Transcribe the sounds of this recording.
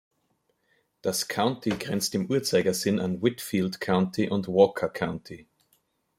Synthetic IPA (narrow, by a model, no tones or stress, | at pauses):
d̥askʰaʊntʰiɡʁɛnt͡stɪmʔuːɐt͡saɪɡɐzɪnʔa̰nwɪtfiːltkʰaʊ̃ntʰiʔʊntwɔːkʰɐkʰãʊ̃ntʰi